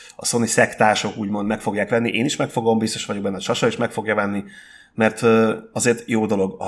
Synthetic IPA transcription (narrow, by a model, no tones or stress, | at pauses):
ɒso̞nisɛkt̪aːʃo̞kuːɟmo̞nd̪mɛkfo̞ɡjaːkʋɛnːiʔeːniʃmɛkfo̞ɡo̞mbist̪o̞̥ʃʋɒɟo̞ɡ̚bɛnːɛɒt͡ʃɒʃɒiʃmɛkfo̞ɡjɒvɛnːi | mɛrt̪ːɒzeːrt̪joːd̪o̞lo̞ɡɒ